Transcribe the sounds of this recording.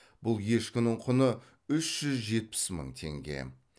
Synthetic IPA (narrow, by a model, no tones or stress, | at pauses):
b̥ʊlˠje̞ʃkʲʏnɪɴqʰʊnə | ʏʃʒ̥ʏzʒe̞t̪̚pɪ̥smə̰ɴt̪ʰe̞̰ŋɡʲe̞̰